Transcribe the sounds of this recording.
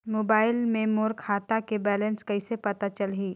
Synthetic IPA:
moːbaːɪlmẽmoːɾkʰaːt̪akebɛːlə̃nskɐɪsepɐt̪at͡ʃəlɦiː

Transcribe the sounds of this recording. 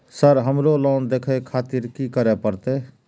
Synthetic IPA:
səɾɦəmɾolɔːnd̪eːkʰekʰaːt̪iɾkikəɾepəɾt̪e

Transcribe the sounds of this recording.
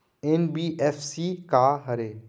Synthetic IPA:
ɛnbiːʔɛfsiːkaɦəɾeː

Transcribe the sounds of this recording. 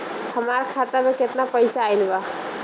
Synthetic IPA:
həmaɾkʰat̪amẽket̪napəjsaːjlba

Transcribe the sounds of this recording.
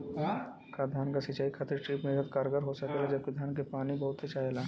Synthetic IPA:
kad̪ʱjaːnkasɪt͡ʃaːikʰɐt̪ɪɾʈɾiːpmẽəd̪̚kaːɾɡəɾɦosɐkelad͡ʒɐb̚kid̪ʱjaːnkepaːnibɐɦʊt̪set͡ʃaːjelãː

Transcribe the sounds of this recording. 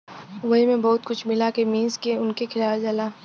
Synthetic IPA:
ʋɐɦimẽbɔːʊt̪kʊt͡ʃʰmɪlakemiːzkeʊnkekʰɪlaːld͡ʒɐlaː

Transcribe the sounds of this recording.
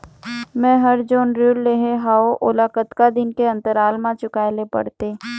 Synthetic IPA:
mɛ̃ːɦɐɾd͡ʒoːnɾuːlːeːɦeɦaːoʔʊlaːkət̪kad̪ɪnkeɐ̃nt̪əɾaːlmãt͡ʃʊkaːjlepə̰ɽt̪eː

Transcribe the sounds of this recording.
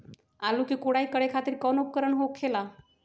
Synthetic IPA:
alukikoɽaikəɽekʰat̪iɾkɔnup̚kəɾəɳɦokkʰːela

